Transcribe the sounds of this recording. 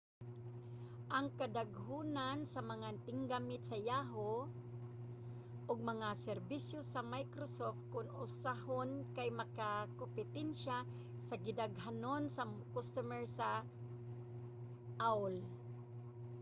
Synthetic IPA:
ʔaŋkad̪aɡɦunansamɐŋant̪ɪŋɡamɪt̪sajaɦo | ʔʊɡ̚mɐŋasɛɾbisjosamajkɾosoft̪̚kʊnʊsahonkajmɐkakompɪt̪ɛnʃa | saɡɪd̪aɡɦanonsakost̪umɛɹsa | ʔawl

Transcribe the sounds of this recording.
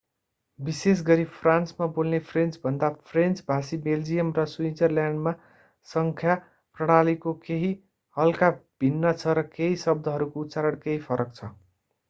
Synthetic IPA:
bises̬ɡʌɾipʰransmabolnepʰrent͡sbʱʌnd̪apʰrent͡sbʱasibeld͡zijʌmrʌswind͡zʌrljaɳɖma | sʌŋkʰja | prʌɽ̃alikokeɦi | hʌlkab̥ʱinːʌt͡sʰʌɾʌkeɦisʌb̚d̪ʱʌɦʌɾukout̪t͡saɾʌɽkeɦipʰʌɾʌk̚t͡sʰʌ

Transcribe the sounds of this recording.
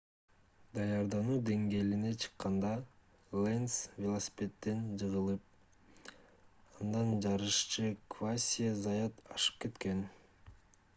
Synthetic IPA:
d̪ɑjɑɾd̪ɑnuːd̪e̞ŋɡe̞ːline̞t͡ʃʰɯ̥qːɑnd̪ɑ | lˠensvʲelˠosʲi̥pʲe̞t̪ːe̞nd͡ʒɯʁɯlˠɯp̚ | ɑnd̪ɑnd͡ʒɑɾɯʃt͡ʃɯkvasʲijəzɑjat̪ɑʃɯ̥p̚ke̞t̪ke̞n

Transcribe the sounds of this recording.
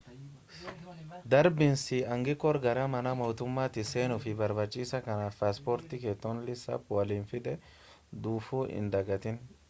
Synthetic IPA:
d̪ɐɾbɪnsɪɐŋɡɪkʼːɔɾɡɐɾɐmɐnɐmɔːt̪ʊmːaːt̪ɪseːnʊfɪbɐɾbɐt͡ʃʼːiːsɐkɐnaːfpaːspɔːɾt̪ɪkeːt̪ːɔnlɪsɐ̰pwɐliːnfɪd̪ɛ | d̪uːfuːʔɪ̰nd̪ɐɡɐt̪ɪn

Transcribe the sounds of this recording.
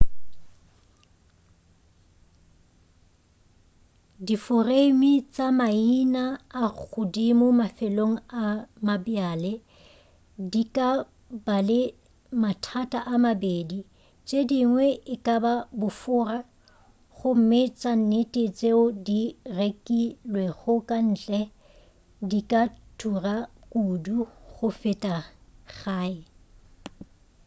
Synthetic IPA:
difʊremit͡sʼamainaːk͡xʊdimʊmafɛloŋ̩amabjalɪ | dikʼa | balɪ | matʰatʼaʔamabedi | t͡ʃʼediŋwɛʔɪkʼababʊfʊra | χʊm̩mɪt͡sʼan̩netʼet͡sʼeʊdirekʼilweχʊkʼan̩ːt͡ɬʼɛ | dikʼatʰurakʼuduχʊfɪtʼaɣaːɪ

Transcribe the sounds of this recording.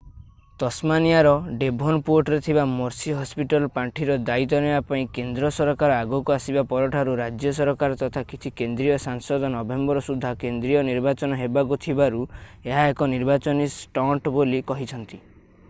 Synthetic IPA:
t̪ɔsmanijaɾɔɖebʱɔnpoɾʈɔɾet̪ʰibamɔɾsiɦɔspiʈɔlɔpaɳʈʰiɾɔd̪ait̪̬ɔnebapaĩkend̪ɾɔsɔɾɔkaɾɔaɡukuasibapɔɾɔʈʰaɾuɾad͡ʒjɔs̬ɔɾɔkaɾɔt̪ɔt̪ʰakit͡ʃʰikend̪ɾijɔsaŋsɔd̪ʱɔnɔbembɔɾɔsud̪ʱːakend̪ɾijɔniɾbat͡ʃɔnɔɦebakut̪ʰibaɾueɦaekɔniɾbat͡ʃɔnisʈɔʈbolikɔɦit͡ʃʰɔnt̪i

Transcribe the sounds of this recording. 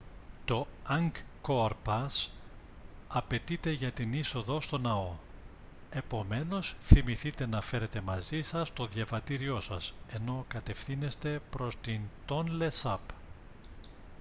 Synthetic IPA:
t̪o̞ɐŋkkoɾpɐs | ɐpe̞t̪it̪e̞ʝɐt̪iniso̞ðo̞st̪o̞nɐo̞ | e̞po̞me̞no̞sθimiθit̪e̞nɐfe̞ɾe̞t̪e̞mɐzisɐst̪o̞ðʝɐvɐt̪iɾio̞sɐse̞no̞kɐt̪e̞fθine̞st̪e̞pɾo̞st̪int̪o̞nle̞sɐp

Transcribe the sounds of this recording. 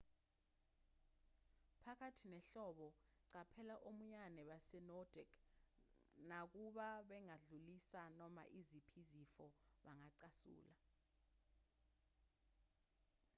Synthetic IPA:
pʰak̬ʰʼatʰinɛɬɔɓɔǀapʰɛlaʔomuɲanɛɓasɛnɔd̥ʱɛɡ | nak̬uɓaɓɛŋaɮulisanɔma̰ʔizipʰizifɔɓaŋaǀasṵːla

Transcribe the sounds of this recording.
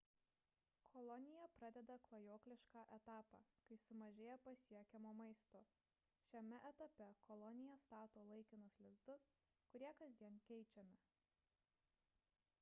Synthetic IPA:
kʰɔlˠɔnʲɪjɛpɾɑd̪ʲɛd̪ɐklˠɐjoːklʲɪʃkɑːʔɛt̪ɑːpɑ̰ːkɐɪsʊmɐʒʲeːjɛpɐsʲiɛkʲɛmoːmɐɪst̪oː | ʃʲɛmʲɛʔɛt̪ɐpʲɛkʰɔlˠɔnʲɪjɛst̪ɑːt̪oːlˠɐɪkʲɪnʊslʲɪzd̪ʊs | kʊɾʲiɛkɐzʲd̪ʲiɛnkʲɛɪt͡ʃʲɛmʲɪ

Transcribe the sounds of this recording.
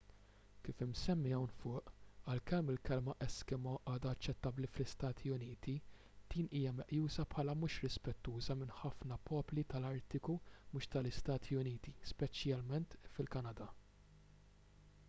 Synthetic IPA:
kiːfɪmsɛmːɪjɐwnfʊːʔɐlkɛmːɪlkɛlmɐʔɛskɛmɔʔɐːd̪ɐːt͡ʃːɛt̪ːɐbliflɪst̪ɐːt̪ʰiʊniːt̪i | d̪̥iːniːjɐmɛʔjuːsɐpħɐːlɐmuːʃɾɪspɛt̪ːuːzɐmɪnħɐfnɐpɔːplit̪ɐlɐɾt̪ɪkumuːʃt̪ɐlɪst̪ɐːt̪ʰiʊniːt̪ispɛt͡ʃjɐlmɛnt̪fɪlkɐnɐd̪ɐ

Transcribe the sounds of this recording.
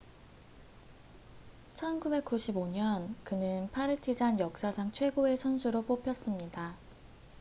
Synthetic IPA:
t͡ɕʰʌnkube̞k̚k͈uɕʰiboɲʌnkɯnɯnpʰaɾɯtʰid͡ʑanjʌk̚s͈asʰaŋt͡ɕʰwe̞ɡoe̞sʰʌnsʰuɾop͈opʰjʌs͈ɯmɲida

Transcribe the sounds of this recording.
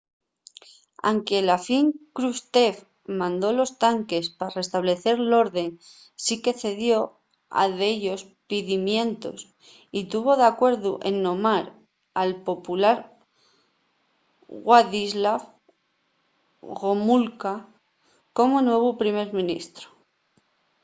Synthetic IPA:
a̰ŋke̞lafiŋkɾust̪e̞f | mãnd̪o̞lo̞st̪aŋke̞spare̞st̪aβle̞θe̞ɾlo̞ɾðe̞ŋ | sike̞θe̞ðjo̞ | a̰ðeʎo̞s | piðimjẽ̞nt̪o̞̰s | it̪uβo̞ðakwe̞ɾðuʔe̞̰nːõ̞maɾ | alpo̞pulaɾ | ɣwaðizlaf | ɣomulka | ko̞monwe̞β̞opɾime̞ɾmĩnḭst̪ɾo̥

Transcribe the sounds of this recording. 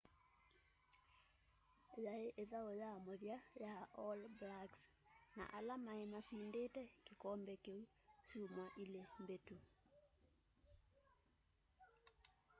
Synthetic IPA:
jaeʔeðaojamoðjajaʔɔlblaks | na̰ʔalamaemasiːndetɛkekɔmbɛkeu | suːmwaʔilembetu

